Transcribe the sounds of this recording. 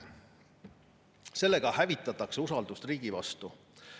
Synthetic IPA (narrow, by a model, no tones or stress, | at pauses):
se̞lːe̞ɡ̥ɑhævit̪ˑːɑt̪ːɑkseusɑld̪̥ust̪riːɡ̥ivɑ̰st̪u